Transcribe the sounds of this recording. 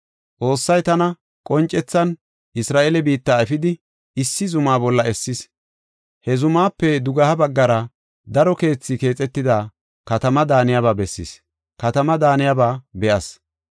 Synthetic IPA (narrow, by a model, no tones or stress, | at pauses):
t͡sʼo̞ːsːɐjt̪ɐnɐ | kʼɔnt͡ʃʼɛt͡sːɐn | ɪsɾaːʔelɛbiːt̪ːaːɛfɪd̪ɪ | ɪsːɪzʊmaːbɔlːɐɛsːɪs | hɛzʊmaːpːɛd̪ʊɡɐhɐbɐɡːɐɾɐ | d̪ɐɾɔke̞ːt͡sːɪke̞ːt͡sʼɛt̪ːɪd̪aː | kɐt̪ɐmɐd̪aːnɪjabaːbɛsːɪ̰s | kɐt̪ɐmɐd̪aːnɪjabaːbɛʔɐs